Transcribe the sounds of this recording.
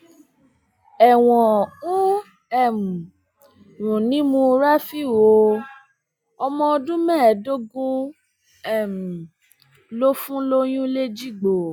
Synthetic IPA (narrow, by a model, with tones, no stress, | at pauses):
ɛ˨w̃ɔ̃˨ũ˦ | ɛ˦˨m̩˨ | ɾũ˨nĩ˨˦mũ˧ɾa˦fi˦˨wo˨˧ | ɔ˧mɔ̃˧ɔ˧dũ˦mɛ̃˦˨do˦ɡũ˦ | ɛ˦˨m̩˨ | lo˦fũ˦lo˦j̃ũ˦le˦d͡ʒi˦˨ɡ͡bo˨